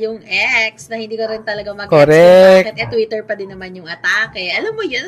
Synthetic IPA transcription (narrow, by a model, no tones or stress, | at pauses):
jʊŋʔɛksnɐhɪ̃nd̪iːkoɾɪnt̪ɐlɐɡamɐɡkoɾɛɛnʔɛt̪wit̪ɛɹpɐd̪ɪnːɐmanjʊŋɐt̪aːkɛʔɐlamːojon